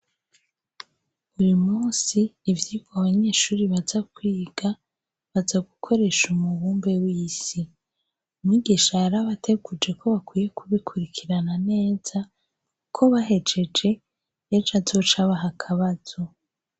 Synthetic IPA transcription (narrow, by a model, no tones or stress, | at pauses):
ujumuːnsiːvjiːɡoaβaɲe̞ːʃuːɾiβazakwiːɡ̥a | βazaɡukʰo̞ɾe̞ʃumuβuːmbe̞wiːsi | umŋiɡiʃaɾaβatʰe̞ɡud͡ʒe̞kʰo̞βakwiːje̞kʰuβikʰuɾikʰiɾanane̞ːz̥a | kʰo̞βaɦe̞d͡ʒe̞d͡ʒe̞ | et͡ʃazo̞t͡ʃaβaɦakʰaβaz̥o̞